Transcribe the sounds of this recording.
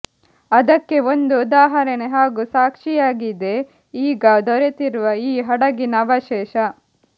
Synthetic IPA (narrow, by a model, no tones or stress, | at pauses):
ɐd̪ɐkːe̞ond̪ud̪aːɦɐɾɐneɦaːɡusaːkʂijaːɡid̪e̞ | iːɡɐd̪ɔɾet̪iɾuʋɐiːɦɐɽɐɡinɐʋɐʃɛːʃɐ